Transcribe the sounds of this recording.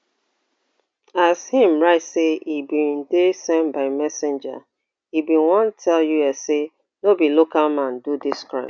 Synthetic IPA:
ashĩmɹaɪtseibĩndesɛ̃nbaɪmɛsɪ̃nd͡ʒa̰ | ibĩnwɔ̃ntʰɛljuɛse | nobilokalmãndudiskɹãɪ̃m

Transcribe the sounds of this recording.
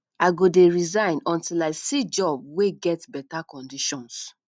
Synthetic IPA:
aɪɡodeɹizãɪ̃nɔ̃ntilaɪsid͡ʒɔb̚weɡɛtbɛtakɔ̃ndiʃɔ̃ns

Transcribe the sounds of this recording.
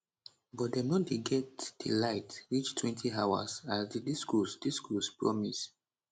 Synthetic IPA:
bɔt̚denodiɡɛtd̥ḭlaɪtwit͡ʃtʰwɛ̃ntʰiawa̰sasdidiskusd̥iskɔspɹɔ̰mis

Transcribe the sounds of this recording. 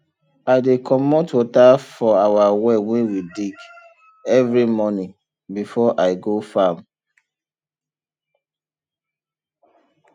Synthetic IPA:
aɪdekʰɔmotwɔtafɔawawɛwɛ̃nwidik | ɛvɾimɔnĩ | bifɔʔaɪɡofam

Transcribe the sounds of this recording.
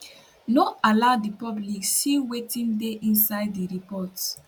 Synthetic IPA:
noaladipɔblikssiwetĩndeʔĩnsaɪdːiɹipɔt

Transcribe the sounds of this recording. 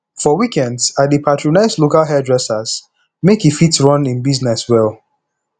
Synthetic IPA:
fɔwikɛ̃ndzadepʰatʰɹonaɪslokalˠɦɛdɹɛsaz̥ | mekifitɹɔ̃nĩnbiznɛswɛlˠ

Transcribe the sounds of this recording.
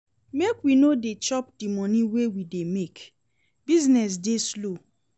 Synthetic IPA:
mekwinodet͡ʃɔpdimɔniwewidemek | biznɛs̬deslo

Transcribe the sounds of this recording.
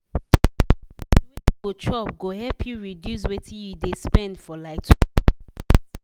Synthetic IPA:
wetiɡot͡ʃʰɔp̚ɡohɛpʰjuɹidjus̬wetʰĩjudespɛ̃ndfɔlaɪtʰu̥

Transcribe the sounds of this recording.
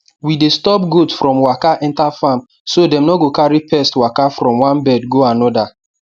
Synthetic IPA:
widestɔp̚ɡodsfɾɔ̃mwakaʔɛ̃ntafam | sodɛ̃mnɔɡokaɹipɛstwakafɾɔ̃mwãnbɛdɡoanɔda

